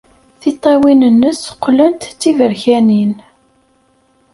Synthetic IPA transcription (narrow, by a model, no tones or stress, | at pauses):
θit̪ˤːɑwinənːəsqːlənt̪ːivəɾçænin